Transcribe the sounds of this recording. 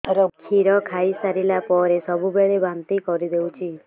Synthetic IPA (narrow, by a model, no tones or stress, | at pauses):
ɾɔkʰiɾɔkʰaisaɾilapɔɾesɔbubeɭebamt̪ikɔɾid̪eũt͡ʃʰi